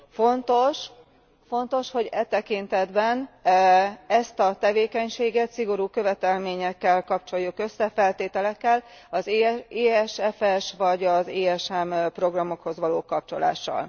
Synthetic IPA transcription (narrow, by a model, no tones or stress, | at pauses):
fo̞nt̪o̞ʃ | fo̞nt̪o̞ʃho̞ɟɛt̪ɛkint̪ɛd̪bɛn | ɛst̪ɒt̪ɛveːkɛɲʃeːɡɛt̪siɡo̞ɾuːkø̞vɛt̪ɛlmeːɲɛkːɛlkɒpt͡ʃo̞jːukø̞sːɛfɛlt̪eːt̪ɛlɛkːɛlɒzeːɛʃɛfɛʃvɒɟɒzeːɛʃɛmpro̞ɡrɒmo̞kho̞zʋɒloːkɒp̚t͡ʃo̞la̰ːʃːɒ̰l